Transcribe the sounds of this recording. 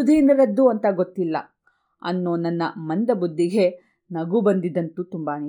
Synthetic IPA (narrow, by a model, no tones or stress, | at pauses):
ud̪ʱinɐɾɐd̪ːuɐnt̪ɐɡot̪ːilːɐ̰ | ɐ̰nːoːnɐnːɐmɐnd̪ɐbud̪ʱːiɡe̞ | nɐɡubɐnd̪id̪ɐnt̪ut̪umbɐni